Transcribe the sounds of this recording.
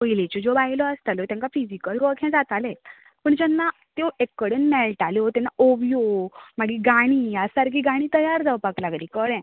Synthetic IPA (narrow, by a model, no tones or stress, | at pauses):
ojilet͡ɕod͡zobaɦilɔəst̪aljot̪jãŋkafid͡ʑikəlɾɔkʰɛ̃d͡zat̪alɛ̃ | pəɳd͡ʑɛnːa | t̪oekːəɽenmɛlʈaleot̪ɛnːaʔoʋijomaɡiɡaɽ̃iːjasaɾkʰiɡaɽ̃iːt̪əjaɾd͡zaʋpaklaɡliːkəɽɛ̃